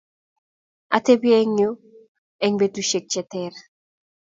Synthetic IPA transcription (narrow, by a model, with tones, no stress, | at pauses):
a̰˨te˦bjɛ˦ŋjo˦ | ɛ˨ŋbe˨tu˦ʃe˨k̚t͡ʃɛ˨tɛr